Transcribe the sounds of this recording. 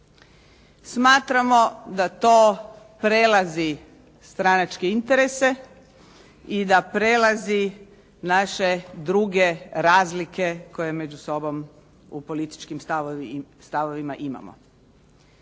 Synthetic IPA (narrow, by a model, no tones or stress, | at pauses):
smaːt̪ɾamo̞d̪at̪oː | pɾelazi | st̪ɾanat͡ʃkeint̪eɾese̞ | id̪apɾelazi | naʃed̪ɾuɡe̞ɾaːzlikʰe̞ko̞je̞med͡ʑuso̞bo̞m | upo̞lit̪i̥t͡ʃkimsast̪aʋoʋimaʔima̰mo̰